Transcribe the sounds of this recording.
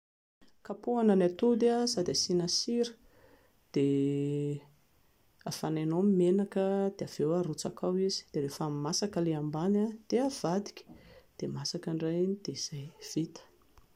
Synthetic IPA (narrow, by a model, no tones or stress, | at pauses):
kapuananat̪ud̪asad̪easinasiɾə̥ | d̪̥e | afananomimenakəd̪̥eav̥ewarut͡sakawizi̥d̪̥eɾefamimasakəleambanad̪̥eav̥ad̪i̥kʲə̥d̪̥emasakəɳɖ͡ʐajinid̪̥ez̥ajv̥it̪ə̥